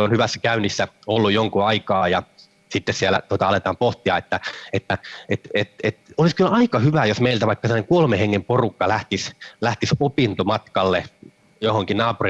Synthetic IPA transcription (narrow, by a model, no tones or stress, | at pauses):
onhyʋæsːækæynːisːæolːujjoŋkuɑikɑːjɑ | sit̪ːessiælæ̰t̪uot̪ɑɑlet̪ɑːmpoht̪iɑet̪ːæet̪ːæet̪et̪et̪oliskylʔɑikɑhyʋæjosmeilt̪æʋɑikːsemːɑneŋkuolmeheŋːemporukːɑlæht̪islæht̪isopint̪omɑt̪kɑlːe | johoŋkinnɑːpuri